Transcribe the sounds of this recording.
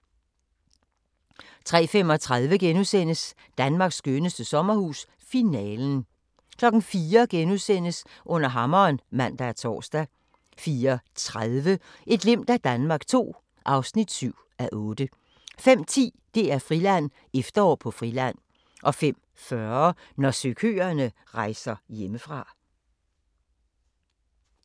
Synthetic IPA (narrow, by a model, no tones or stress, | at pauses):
t͡sʰʁɛ̰ːfem̰ɒ̽t͡sʰʁað̞ˠʋəɡ̥enusen̰əs | d̥ænmɑ̈ːɡ̥sːɡ̥ønəsd̥əsɒ̽mɐhṵːs | finɛːln̩ | kʰlɒ̽ɡ̥n̩fiːɐɡ̥enusen̰əsʔɔ̽n̰ɐɦɑ̈mɐːnmæn̰d̥ææɐt͡sʰɒ̰ːsd̥æ | fiːɐt͡sʰʁaðˠʋə | ʔe̝d̥le̝m̰d̥æd̥ænmɑ̈ːɡ̥t͡sʰo̝̰ː | ʔɑ̈ʊsnid̥syʊ̰ | æʔɔ̽ːd̥ə | fem̰t͡sʰḭːd̥e̝æɐfʁilæn̰ | efd̥ɐɒ̰ːpʰɒ̽fʁilæn̰ | ʔɒ̽fem̰ | fɶɐnɒsøkʰø̰ːɐnə | ʁɑ̈ɪ̰sɐjeməfʁɑ̈